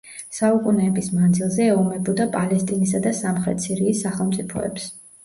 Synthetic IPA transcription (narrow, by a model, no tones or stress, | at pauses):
saukʼunɛːbismand̪zilˠzɛɛɔmɛbɔd̪apʼalɛst̪ʼinisad̪asamχɾɛ̰t̪siɾiːsːaχɛlˠmt̪sʼipʰɔ̰ɛ̰ps